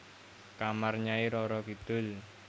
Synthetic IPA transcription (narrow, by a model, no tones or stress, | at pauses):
kamarɲaiɾɔɾɔkid̪̥ʊ̤l